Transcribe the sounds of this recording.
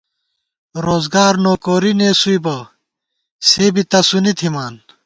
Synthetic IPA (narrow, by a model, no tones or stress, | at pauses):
ɾoːzɡaːɾnoːkoːɾineːsuibɐ | seːbit̪ɐsunit̪ʰimaːn